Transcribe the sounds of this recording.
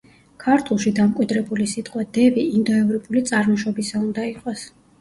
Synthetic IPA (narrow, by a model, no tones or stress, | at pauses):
kʰaɾt̪ʰulˠʃid̪amkʼwid̪ɾɛbulisit̪ʼqʼwad̪ɛbiːnd̪ɔɛvɾipʰʼulit̪sʼaɾmɔʃɔbisaund̪aiqʼwas